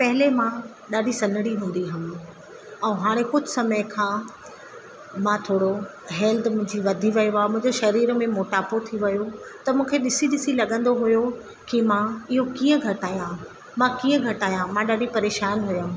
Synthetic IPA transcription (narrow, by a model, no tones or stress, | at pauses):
pɐɦɪlemã | ɗaːɗisɐ̃nəɽiɦũːn̆d̪iɦɐm | ɛ̃ːɦaːɽ̃ẽkʊd͡ʑʱʊsɐməjkʰãː | mãt̪ʰoːɽo | ɦɛːld̪mʊ̃ɦɪ̃ɲd͡ʑiʋɐd̪ʱiʋɐjoaːmʊ̃ɦɪ̃ɲd͡ʑeʃɐɾiːɾmẽmoːʈaːpot̪ʰiʋɐjot̪ɐmũːkʰeɗɪsiɗɪsilɐɠə̃nd̪oɦʊjo | kimãɪɦokiːə̃ɡʱɐʈaːjã | mãkiːə̃ɡʱɐʈaːjãmãɗaːɖipɐɾeːʃaːnɦʊja